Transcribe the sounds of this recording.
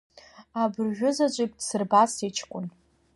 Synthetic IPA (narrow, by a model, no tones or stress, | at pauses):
abɨrʒᶣʊzat͡ɕʷʼijp̚ʰʼd̥sɨrbasit͡ʃʰkʷʼʊn